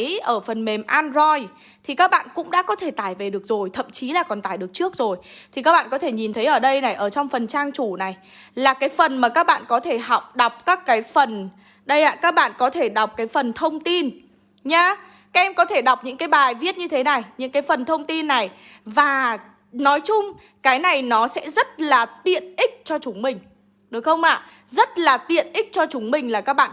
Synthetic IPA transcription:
ʔəː˧˩fə˨˩nme˨˩mʔaː˧nzɔ˧j | t̪ʰi˨˩kaː˦˥k̚ɓa̰ː˧˨nkʊ̰˧˥ŋ͡mɗa̰ː˧˥kɔ˨˦t̪ʰe˧˩t̪aː˧˩jve˨˩ɗɨ˨˩ək̚zo˨˩jt̪ʰə̰˧˨mt͡ɕi˨˦laː˨˩kɔ˨˩nt̪aː˧˩jɗɨ˨˩ək̚t͡ɕɨ˦˥ək̚zo˨˩jt̪ʰi˨˩kaː˦˥k̚ɓa̰ː˧˨kɔ˨˦t̪ʰe˧˩ɲi˨˩nt̪ʰə˨˦jʔəː˧˩ɗə˧jna˨˩jʔəː˧˩t͡ɕɔ˧wŋ͡mfə˨˩nt͡ɕaː˧ŋt͡ɕu˧˩na˨˩j | laː˨˩kaː˨˦jfə˨˩nmaː˨˩kaː˦˥k̚ɓa̰ː˧˨nkɔ˨˦t̪ʰe˧˩ɦa˨˩wk͡p̚ɗa˨˩wk͡p̚kaː˦˥kːaː˨˦jfə˨˩n | ɗə˧jʔa̰ː˨˩kaː˦˥k̚ɓa̰ː˧˨nkɔ˨˦t̪ʰe˧˩ɗa˨˩wk͡p̚kaː˨˦jfə˨˩nt̪ʰə˧wŋ͡mt̪i˧n | ɲaː˧ | kaː˨˦ʔɛ˧mkɔ˨˦t̪ʰe˧˩ɗa˨˩wk͡p̚ɲɨ̰˧˥ŋkaː˨˦jɓaː˨˩jvi˦˥ət̚ɲɨ˧t̪ʰe˨˦na˨˩jɲɨ̰˧˥ŋkaː˨˦jfə˨˩nt̪ʰə˧wŋ͡mt̪i˧nːa˨˩j | vaː˨˩ | nɔ˨˦jt͡ɕʊ˧ŋ͡m | kaː˨˦jna˨˩jnɔ˨˦sɛ̰˧˥zə˦˥t̚laː˨˩t̪ḭ˧˨ənʔï˦˥k̟̚t͡ɕɔ˧t͡ɕʊ˨˦ŋ͡mmï˨˩ŋ̟ | ɗɨ˨˦xə˧wŋ͡mʔa̰ː˧˨ | zə˦˥t̚laː˨˩t̪ḭ˧˨ənʔï˦˥k̟̚t͡ɕɔ˧t͡ɕʊ˨˦ŋ͡mmï˨˩ŋ̟laː˨˩kaː˦˥k̚ɓa̰ː˧˨

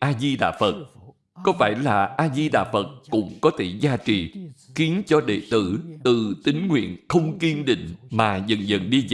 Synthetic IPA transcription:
ʔaː˧zi˧ɗa̰ː˧˨fə˨˩t̚ | kɔ˨˦fa̰ː˧˩jlaː˨˩ʔaː˧zi˧ɗa̰ː˧˨fə˨˩t̚kʊ̰˧˥ŋ͡mkɔ˨˦t̪ʰe˧˩zaː˧t͡ɕḭ˨xi˨˦ənt͡ɕɔ˧ɗḛ˧˨t̪ɨ̰˧˩t̪ɨ˨˩t̪ï˨˦ŋ̟ŋwḭ˧˨ənxə˧wŋ͡mki˧ənɗḭ̈˧˨ŋ̟maː˨˩zə˨˩ŋzə̰˨˩nɗi˧z

